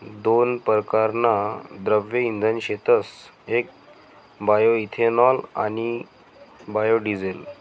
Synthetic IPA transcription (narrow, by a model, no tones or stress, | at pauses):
d̪onpəɾkaɾnad̪ɾəbjəind̪ʱənɕet̪əsek̚ | bajoit̪ʰenɔla̰ñi | bajoɖid͡zel